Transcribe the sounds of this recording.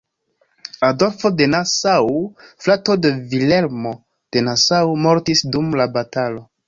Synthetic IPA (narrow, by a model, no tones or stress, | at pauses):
ado̞lfo̞de̞nasawflato̞devile̞ɾmo̞ | d̥e̞nasawmoɾtisdumlabatalo̞